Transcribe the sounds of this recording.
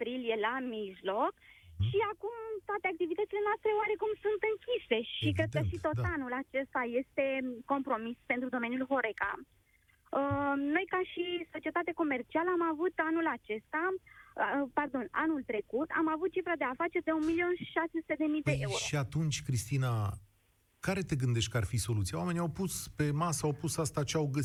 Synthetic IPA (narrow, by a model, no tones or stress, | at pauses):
pɾilije̞lamiʒlo̞kʃiakumt̪oat̪e̞ak̚t̪ivit̪ət̪ile̞noast̪ɾe̞oaɾe̞kumsunt̪ɨŋkʲise̞ʃikɾed̪̚əʃit̪o̞t̪anulat͡ʃe̞st̪aje̞st̪e̞ko̞mpɾo̞mispent̪ɾud̪o̞me̞njulvo̞ɾe̞ka̰ | əno̞jkaʃiso̞t͡ʃie̞t̪at̪eako̞me̞rt͡ʃialəamavut̪anulat͡ʃe̞st̪a | pard̪o̞na̰nult̪ɾe̞kut̪a̰mavut̪̚t͡ʃifɾad̪e̞afat͡ʃe̞rd̪e̞unmilio̞nʃi̥ʃasesu̥t̪ed̪e̞mijdpeəjeɾʃoiat̪unt͡ʃʲkɾist̪ina | kaɾe̞t̪e̞ɡɨnd̪e̞ʃt̪ʲkəarfiso̞lut̪sijawame̞niawpuspe̞masəawpusast̪at͡ʃeawɡə